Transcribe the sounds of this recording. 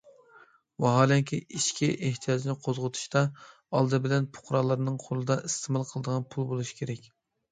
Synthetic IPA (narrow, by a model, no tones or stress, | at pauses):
wɑɦɑːlˠɛŋkʲʰiʔiʃkʲʰiʔeht̪ʰijɑd͡ʒnɪqʰozʁət̪ʰu̥ʃt̪ɑ | ɑlˠd̪ɨbɪlɛnpʰʊ̥qʰɾɑlˠːɑɾnɨŋqʰolˠɨd̪ɑʔist̪ʰɨmɑlˠqʰəlˠəd̪əʁɑnpʰulˠbolˠuʃi̥kʲʰeɾɛkʲ